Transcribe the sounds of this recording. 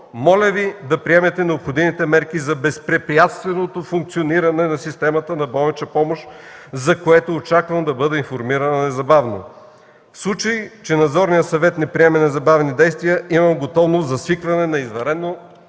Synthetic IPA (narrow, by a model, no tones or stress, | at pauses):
mɔlʲəvid̪ɐpɾiɛmɛt̪ɛnɛopxod̪imit̪ɛmɛɾkizɐbɛspɾɛpɾijat̪st̪vɛnot̪ofuŋk̚t̪sioniɾɐnɛnɐsist̪ɛmɐt̪ənɐbɔlˠɛt͡ʃɐpɔmoʃzɐkoɛt̪oːt͡ʃakvəmd̪ɐbɤd̪ɛinfoɾmiɾɐnənɛzɐbavno̰ | fslˠut͡ʃəjt͡ʃɛnɐd̪zɔɾnijəsɐvɛt̪nɛpɾiɛmɛnɛzɐbavnid̪ɛjst̪vijəʔimɐmɡot̪ɔvnost̪zɐsvikvɐnɛnɐizvɐɾɛd̪no